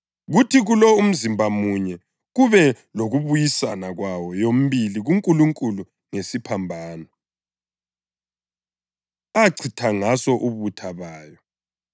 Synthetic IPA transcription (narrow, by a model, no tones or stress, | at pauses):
ɣutʰiɣulɔum̩zimbʱamuɲɛ | ɣuβɛ | loɣuβujisanaɣwawɔjom̩βiliɣuŋkʼuluŋkʼulu | ŋesipʰambʱaːnɔ | aǀʰitʰaŋasɔʔuβutʰaβaːjɔ